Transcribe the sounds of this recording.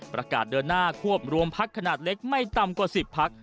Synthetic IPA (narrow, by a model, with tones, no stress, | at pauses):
pɾa˧ka̰ː˨˩t̪̚dɤː˧nːaː˥˩kʰu˥˩əp̚ɾu˧əmpʰa˦˥kʰːa˧naː˨˩t̪̚le˦˥k̚ma˥˩jt̪a˧mkwaː˨˩si˨˩pʰːa˦˥k̚